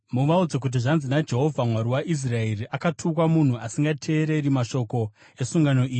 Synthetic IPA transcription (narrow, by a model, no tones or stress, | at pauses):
muʋaud͡zek̬ut̬iʐanzinad͡ʒe̞ɦo̞vʱamwaɾiwaʔis̬raeriʔakatʰuk̬wamun̤uasiŋɡatʰe̞ːɾe̞ɾimaʃo̞ko̞ | e̞suŋɡano̞ʔiːji